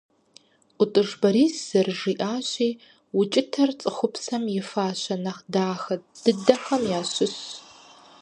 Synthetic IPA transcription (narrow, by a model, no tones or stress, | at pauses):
ʊtʼɨʐbɐɾiːsz̥ɐrʐiːʔaːɕiː | wʊt͡ʃʼɪtʰɐrt͡sʼɨxʷʊpsɐmjɪfaːɕɐnɐχdaːxɐt̚d̥ɨdɐxɐmjaːɕʊɕ